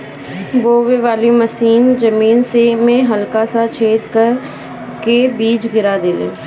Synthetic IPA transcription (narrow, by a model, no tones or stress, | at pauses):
boːʋeʋaːliməsiːnd͡ʒəmiːnsemẽɦəlkasat͡ʃʰeːd̪kəɾ | kebiːt͡ʃɡɪɾad̪eːlḛː